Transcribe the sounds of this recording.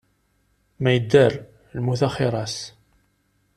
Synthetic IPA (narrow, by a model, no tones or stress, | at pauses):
mæjəd̪ːæɾ | lmuθaχɪɾˤɑs